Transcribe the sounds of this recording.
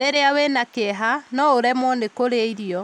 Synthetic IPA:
eɾeawenakeɦanɔoɾɛmɔnekoɾeiɾiɔ

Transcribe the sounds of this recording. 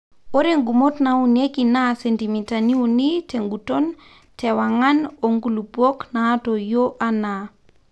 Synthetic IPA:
oɾeŋɡumotnaunekinasentimitaniuniteŋɡuton | tʰɛwaŋanoŋɡulubwɔknaːtojoʔana

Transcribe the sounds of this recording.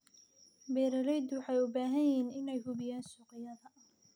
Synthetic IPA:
bɛːɾɐɾɛjd̪wɑħɑjʊbaːɦɐjɦiːnɪnɛjhʊβɪjaːnsuːqɪjɐðɐʔ

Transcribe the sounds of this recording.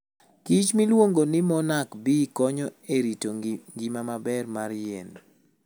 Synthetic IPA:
kit͡ʃmilwoŋɡonɪmɔnakbikɔɲɔeɾitoŋɡimamabɛrmaɾjɛn

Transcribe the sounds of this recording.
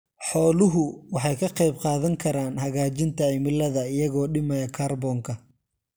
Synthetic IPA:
ħɔːlʊɦʊwɑħɑjkʰɐqɑjb̚qɑːðɐŋkʰɐɾaːnhɐɣaːt͡ʃɪnt̪ʰɐʕimɪlɐðɐɪjɐɣɔːɖɪmɐjɐkʰarbɔŋkʰɐ

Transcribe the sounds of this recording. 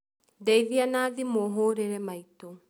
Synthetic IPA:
dɛiðianaːðimoɦoɾeɾɛmait̪o

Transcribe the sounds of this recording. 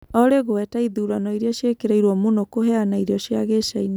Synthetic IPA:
ɔɾeɣoɛtaiðuːɾanɔiɾeɔɕjekeɾeiɾwɔmonokoɦɛanaiɾeɔʃjaɣeʃaina

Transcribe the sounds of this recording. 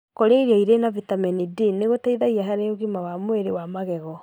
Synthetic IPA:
koɾeiɾɔiɾenavitamɛnidineɣotaiðaɣiaɦaɾeoɣimawamoeɾewamaɣɛɣɔ

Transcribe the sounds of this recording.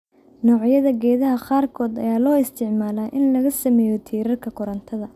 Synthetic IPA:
nɔːʕjɐðɐɡɛːðɐɦɐqɑːrkʰɔːd̪ɐ̰jaːlɔːɪst̪ʰɪʕmaːlaːʔɪnlɐɣɐsɐmɛːjɔt̪ʰiːɾɐrkʰɐkʰʊɾɐnt̪ʰɐðɐ

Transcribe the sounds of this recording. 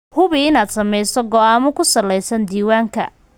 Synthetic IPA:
hʊβɪɪnaːd̪sɐmɛjsɔɡɔaːmʊkʰʊsɐlɛjsɐnd̪iːwaːŋkʰɐ̰

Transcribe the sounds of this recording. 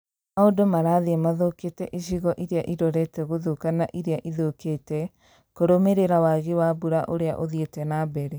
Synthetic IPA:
maodomaɾaðemaðoketɛʔiɕiɣɔʔiɾeaʔiɾɔɾɛtɛɣoðokanaʔiɾeaʔiðoketɛ | koɾomeɾeɾawaɣewabuɾaʔoɾea̰ʔoðietɛnabɛɾe

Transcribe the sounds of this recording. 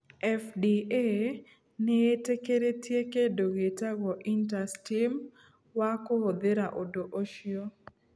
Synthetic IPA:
ɛfdie | nɪetekeɾetjekedoɡetaɡɔʔintastim | wakood̪eɾaʔodoʔoʃjo

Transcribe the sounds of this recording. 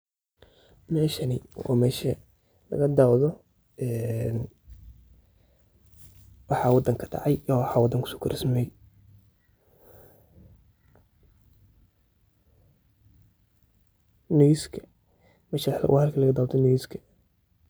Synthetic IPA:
mɛːʃɐnɪɔ̰ːmɛːʃɐ | lɐ̰ɣɐd̪awðɔ | ɛːn | wɑħɑwɑd̪ɐŋkʰɐ̥dɑ̰ʕɑjɔwħɑːwɑd̪ɐŋkʰʊ̥sɔ̥ːkʰʊɾʔɪsmɪmɛj | nɔjiskʰɐ̥ | mɛːʃɐw̰hɐlkʰɐlɐɣɐd̪aːwd̪ʰɔnɔjiskʰɐ̥

